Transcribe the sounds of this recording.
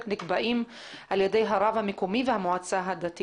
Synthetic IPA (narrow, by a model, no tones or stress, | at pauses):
knɪkbaʔiːm | ʔaljad̪ejɦaɾˤɑvamɪkumiːvɪhamʊʕat͡sːaɦad̪at̪